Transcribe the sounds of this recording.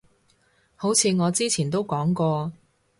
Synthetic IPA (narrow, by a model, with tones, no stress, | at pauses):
ho˨˥wt͡sʰiː˨˧ŋɔː˨˧t͡siː˥t͡sʰiː˨˩nt̪o˥wkɔː˨˥ŋkɔː˧